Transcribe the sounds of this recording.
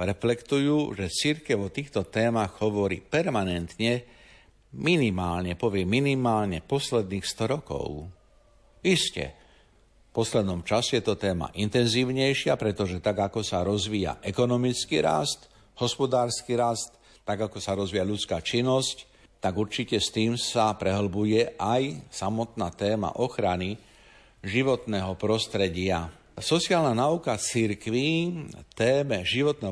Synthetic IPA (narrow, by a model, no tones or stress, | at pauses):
ɾɛflɛkt̪ujuːʒɛt͡siɾkɛʊɔt̪iːxt̪ɔt̪ɛːmaɣɦɔʋɔɾḭːpɛɾmanɛnt̪ɲɛ | minimaːlɲɛpɔʋɪɛmːinimaːlɲɛpɔslɛd̪niːxst̪ɔɾɔkɔ̰ʊ | iscɛ̰ | fpɔslɛd̪nɔmt͡ʃasɛjɛt̪ɔt̪ɛːma̰ʔint̪ɛnziːʊɲɛjʃɪapɾɛt̪ɔʒɛt̪aɡakɔsaɾɔzʋiːja̰ʔɛkɔnɔmit͡skiɾa̰st̪ | hɔspɔd̪aːɾskiɾast̪ː | aɡakɔsaɾɔzʋiːjaʎut͡skaːt͡ʃinːɔsc | t̪aɡuɾt͡ʃicɛst̪iːmsapɾɛɦl̩bujɛʔajsamɔt̪naːt̪ɛːma̰ʔɔxɾani | ʒiʋɔt̪nɛːɦɔpɾɔst̪ɾɛɟɪa | sɔt͡siaːlnanaukat͡siɾkʋit̪ɛːmɛʒiʋɔt̪̚nɛːɦ